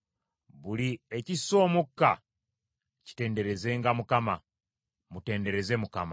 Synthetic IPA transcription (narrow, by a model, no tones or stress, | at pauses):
βulieciso̞ːmukːa̰ | ci̥te̞ːnde̞ɾe̞ze̞ŋɡamukama | mute̞ːnde̞ɾe̞ze̞mukama̰